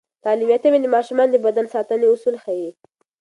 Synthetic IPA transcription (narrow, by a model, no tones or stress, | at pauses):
t̪ɑlimjat̪ewend̪emɑʃumɑnd̪əbad̪ansɑt̪əneʊsulxaji